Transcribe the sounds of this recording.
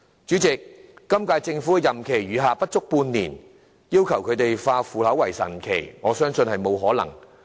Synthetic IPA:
t͡ʃyː˨˥t͡sɪ˨k̚ːɐ˥mkaː˧jt͡sɪ˧ŋfuː˨˥˧jɐ˨mkʰe˨˩jɥyː˨˧ɦaː˨pɐ˥t̚t͡sʊ˥k̚puː˧nːiː˨˩n | jiː˥wkʰɐ˨˩wkʰɵ˨˧t̪e˨jfaː˧fuː˨lɐ˨˥wɐ˨˩jsɐ̰˨˩nkʰḛ˨˩jŋɔː˨˧sœː˥ŋsɵ˧nhɐ˨jmo˨˧wɦɔː˨˥lɐ̰˨˩ŋ

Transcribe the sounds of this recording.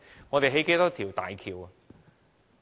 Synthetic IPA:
ŋɔː˨˧t̪e˨ɦe˨˥jke˧˥t̪ɔ˥k̚t̪ʰiː˨˩wt̪a̰ː˨jkʰiː˨˧wɐ˨

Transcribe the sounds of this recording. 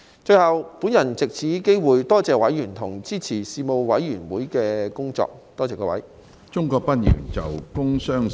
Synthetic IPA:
t͡ʃɵ˧jhɐ˨wpuː˨˥njɐ˨˩nt͡sɪ˨k̚t͡sʰiː˨˥ke˥jwuː˨jt̪ɔː˥t͡sɛː˨wɐ˨˥jːyː˨˩nt̪ʰʊ˨˩ŋt͡siː˥t͡sʰiː˨˩siː˧mo˧wwɐ˨˥jːyː˨˩nwuː˨˥jkɛː˧kʊ˥ŋt͡sɔ̰ː˧k̚t̪ɔː˥t͡sɛː˨˧kɔː˧wɐ˨˥j | t͡ʃʊ˥ŋkɔː˧k̚pɐ˥n̚jyː˨˩nt͡sɐ˨wkʊ˥ŋsœː˥ŋ

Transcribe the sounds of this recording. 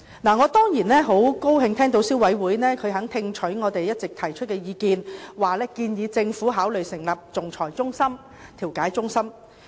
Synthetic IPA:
naː˨˩ŋɔː˨˧t̪ɔː˥ŋjiː˨˩nɛː˥ɦo˨˥wko˥wɦɪ˧ŋt̪ʰɛː˥ŋt̪o˧˥wsiː˥wɐ˨˥jwuː˨˥jnɛː˥kʰɵ˨˧ɥɦɐ˨˥ŋt̪ʰɪ˧ŋt͡ʃʰɵ˨˥ɥŋɔː˨˧t̪e˨jːɐ˥t̚t͡sɪ˨k̚t̪ʰɐ˨˩jt͡ʃʰɵ˥t̚kɛː˧jiː˨˧kiː˧nwaː˨˩lɛː˥kiː˧njiː˨˧t͡sɪ˧ŋfuː˨˥ɦaː˨˥wlɵ˨ɥsɪ˨˩ŋlɐ˨˩p̚t͡sʊ˨˩ŋt͡sʰɔː˨˩jt͡sʊ˥ŋsɐ˥m | t̪ʰiː˨˩wkaː˨˥jt͡sʊ˥ŋsɐ˥m

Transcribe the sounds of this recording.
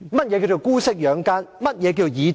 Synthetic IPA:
mɐ˥t̚jɛː˨˧k̬i˧wt͡so˨wkuː˥sɪ˥k̚jœː˨˥ŋkaː˥nmɐ˥t̚jɛː˨˧ki˧o˨wjiː˨˧

